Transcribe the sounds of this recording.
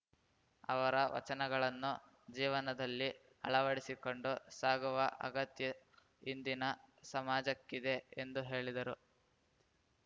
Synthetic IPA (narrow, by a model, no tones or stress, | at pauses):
ɐ̰ʋɐɾɐʋɐ̰t͡ʃɐnɛɡɐɭɐnːu | d͡ʒiːʋɐnɐd̪ɐlːi | ɐ̰ɭɐʋɐɽisiko̞ɳɖusaːɡuʋɐʔɐ̰ɡɐt̪jɐ | ind̪inɐsɐmaːd͡ʒɐkːid̪e̞end̪uɦe̞ːɭid̪ɐɾu